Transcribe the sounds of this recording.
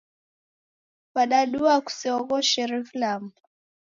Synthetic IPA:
paɗaɗuaku̥siɔɣɔʃɛɾiflamu

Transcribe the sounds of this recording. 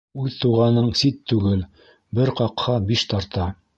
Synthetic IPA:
ʉðt̪uʁɑnɤɴsit̪ːʉɡɘl | bɘɾqɑqhɑbiʃt̪ɑɾt̪ɑ

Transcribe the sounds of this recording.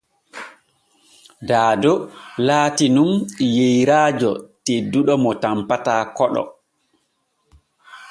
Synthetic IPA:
daːdɔlaːtinumjejɾaːd͡ʒɔ̰tedːuɗɔmɔtampataːkɔɗɔ̰

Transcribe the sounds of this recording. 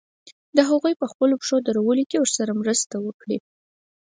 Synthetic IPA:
d̪əɦaɣujpəxpəlopʂod̪aɾawəlokewəɾsaɾamɾəst̪awəkɽi

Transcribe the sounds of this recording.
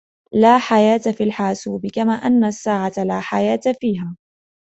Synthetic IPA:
laːħajaːt̪afiːlħaːsuːbɪkamaːʔanːasːaːʕat̪alaːħajaːt̪afiːɦaː

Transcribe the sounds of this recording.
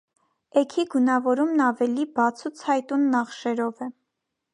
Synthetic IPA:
ɛkʰiɡunɑvɔɾumnɑvɛlibɑt͡sʰut͡sʰhɑjt̪unːɑχʃɛɾɔvɛ

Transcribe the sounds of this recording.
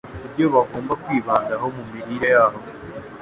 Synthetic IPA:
βuɾjoβaɡo̞ːmbakwiːβaːndaɦo̞mumiɾiːɾejaːɦo̞

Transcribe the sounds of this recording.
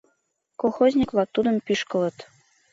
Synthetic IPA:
kolˠxozʲnʲiklˠɑt̪ːud̪ə̆mpiʃkɤ̆lˠɤ̆t̪

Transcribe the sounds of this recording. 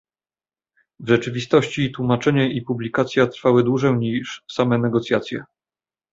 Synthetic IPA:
vʐɛt͡ʂɘvʲist̪ɔɕt͡ɕit̪wumat͡ʂɛɲɛʔipublʲikat̪sʲjat̪ɾfawɘd̪wuʐɛɲiʂsamɛnɛɡɔt̪sʲjat̪sʲjɛ̰

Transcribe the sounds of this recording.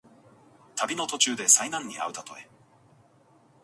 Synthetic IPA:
t̪abʲino̞t̪o̞t͡ɕɨːd̪e̞sainãɲ̟ːia̰ɯ̟t̪at̪o̞̰e

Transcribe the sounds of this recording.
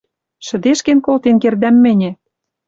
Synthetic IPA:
ʃɘ̆d̪eʃkĕnkolt̪enkerd̪æmːɘ̆nʲĕ

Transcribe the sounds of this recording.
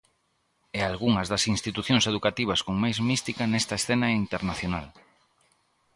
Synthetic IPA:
ɛalɣuŋɐzðɐsinst̪it̪uθjõŋseðukat̪iβ̞ɐskoŋmajzmist̪ikɐnɛst̪ɐesθenɐint̪eɾnaθjona̰l

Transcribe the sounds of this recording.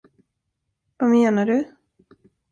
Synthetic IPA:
vameːnaɖɵ

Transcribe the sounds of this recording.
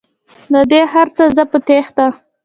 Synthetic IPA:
d̪əd̪ehaɾt͡səzəpət̪exd̪a

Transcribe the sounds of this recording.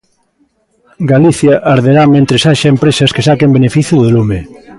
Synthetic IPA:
ɡaliθjaʔaɾðeɾamẽnt̪ɾesaʃaempɾesɐskesakembenefiθjuððolume

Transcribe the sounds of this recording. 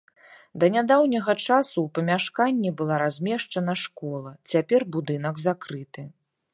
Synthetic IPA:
d̪ɐnʲad̪awnʲɐɣɐt͡ʂasuwpɐmʲaʂkanʲːibɨlˠaɾazʲmʲɛʂt͡ʂɐnɐʂkɔlˠɐt͡sʲapʲɛrbud̪ɨn̪ɐɡzakɾɨt̪ɨ

